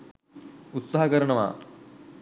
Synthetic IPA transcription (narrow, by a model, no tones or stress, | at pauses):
ut̪sɐɦɐkɐɾɐɳɐʋa̰ː